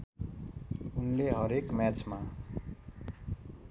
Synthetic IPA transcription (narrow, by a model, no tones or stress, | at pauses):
unleɦʌɾekmjat͡sma